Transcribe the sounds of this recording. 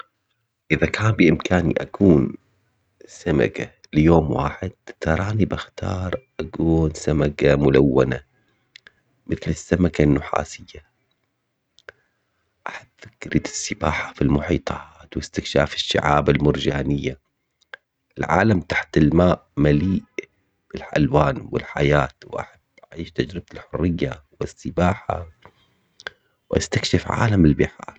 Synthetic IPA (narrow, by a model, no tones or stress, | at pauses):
ʔɪðakaːnbiʔɪmkʰaːnḭʔa̰kuːn | sama̰ka | lɪjoːmwa̰ːħɪd̪̚t̪ɑɾˤɑːnibaxt̪ʰɑ̰ːɾˤʔakuːnsamakamʊlawːa̰na | mɪθlɪsːamakanːʊħa̰ːsɪjːa | ʔaħad̪fakɾɪd̪ɪ̥sːɪbaːħḁfilmʊħiːt̪ˤʰɑːt̪wɪst̪ɪkʃa̰ːfɪ̥ʃːa̰ʕaːbɪlmʊɾd͡ʒaːnɪjːa | ʔɪlʕa̰ːlamt̪ḁħt̪ɪlmaːʔmaliːʔ | b̥ɪlħa̰lwaːnwɪ̰lħajaːt̪wʔa̰ħab̥ːʔaʕiːʃt̪ad͡ʒɾɪb̚t̪ɪlħʊrːɪjːawɪsːɪbaːħa̰ | wʔa̰st̪akʃɪfʕa̰ːlamɪlbɪħɑ̰ːɾˤ